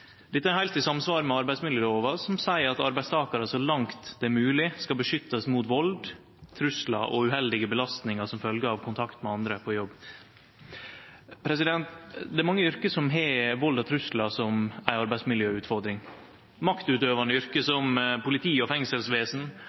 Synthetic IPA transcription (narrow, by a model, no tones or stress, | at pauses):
d̪̥ɛt̪ːəæɾhæɪlt̪ɪsɑmsʋɑːɾmɛɑɾbæɪsmɪljøːloːʋɑsɔmsæɪəɾɑt̪ɑɾbæɪst̪ʰɑːkɑɾəsɔlɑŋt̪d̪̥ɛːmʉːlɪskɑlbəʂʏt̪ːɑsmuːt̪ʋɔld̪ | t̪ʰɾʉslɑ̰ʔɔʉhɛld̪ɪɡəbəlɑst̪nɪŋɑsɔmfœlɡəɑʋkʰʊnt̪ʰɑkt̪mɛɑnd̪ɾəpʰɔjɔbː | pʰɾɛs̬ɪd̪ɛnt̪d̪ɛæɾmɑŋːəʏɾkəsɔmɦɛʋɔld̪ɑt̪ʰɾʉslɑsɔmæɪɑɾbæɪdsmɪljøːʉːt̪fɔɾd̪ɾɪŋ | mɑkt̪ʉːt̪øːʋɑnəʏɾkəsɔmpʊlɪt̪ʰiːɔfɛŋsəlsʋeːsn̩